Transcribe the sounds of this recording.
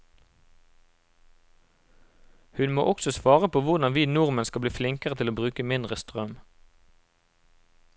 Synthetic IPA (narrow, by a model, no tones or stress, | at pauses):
hʉnmo̰ːʔɔksɔsʋɑːʁəpʰoːʋʊʁd̪ɑnʋiːnʊʁmənskɑbliːflɪŋkəʁət̪ʰɪloːbʁʉːkəmɪnd̪ʁəst̪ʁœm